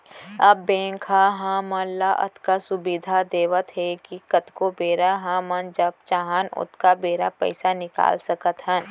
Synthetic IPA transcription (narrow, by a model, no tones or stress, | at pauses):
ɐbːẽːkʰaɦãːmɐnlaʔɐ̰t̪kasʊbid̪ʱad̪eːʋət̪ɦɛkikɐt̪kobeːɾaɦãmɐnd͡ʒɐb̚t͡ʃaɦanʊ̰t̪kabeːɾapɛ̰ɪsanɪka̰ːlsɐkət̪ɦə̃n